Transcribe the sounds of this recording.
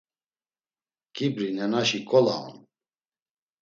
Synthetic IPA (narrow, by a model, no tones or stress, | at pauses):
ɡ̥ibɾinɛnaʃikʼɔlaɔ̰n